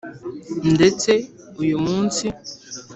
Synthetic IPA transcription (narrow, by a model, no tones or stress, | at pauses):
n̩det͡se | ujomunsi